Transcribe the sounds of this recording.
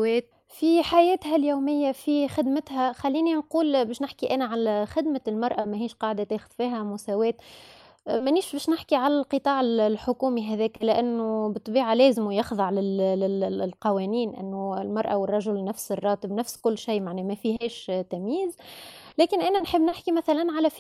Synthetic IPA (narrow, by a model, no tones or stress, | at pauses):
wɛːt̪̚ | fiħajɛːt̪ɦæljuːmɪjːæfixɪd̪mɪt̪ɦæxalːiːninquːlbɛːʃnɪħkiʔæːnæʕalxɪd̪mælmɑɾˤʔamæɦiːʃqɑːʕd̪at̪eːxʊð̥fiːɦæmʊsæːwɛːt̪ | mæniːʃbɛːʃnɪħkiʕalælqɨt̪ˤɑːʕɪllħʊkuːmiɦæðɛːklɪʔænːʊbɨt̪ˤːbiːʕalɛːzɪmujɑxðˤɑʕlɪlɪlqɑwɛːniːnʔɪ̰nːʊɪlmɑɾˤʔawɪrˤːɑʒʊlnæfsɪrˤːɑːt̪ɪbnæfskʊlːʃijːmaʕnɛːmæfiɦɛːʃt̪æmjiːzlɛːkɪnʔæːnænħəbːnɪħkimæθælænːʕalæf